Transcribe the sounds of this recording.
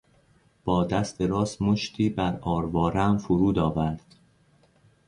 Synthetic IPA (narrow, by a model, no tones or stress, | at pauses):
b̥ɒːd̪æst̪e̞ɾɒːsmoʃt̪ʰiːbæɾɒːɾvɒːɾæmfoɾuːd̪ɒːvæɾd̪̥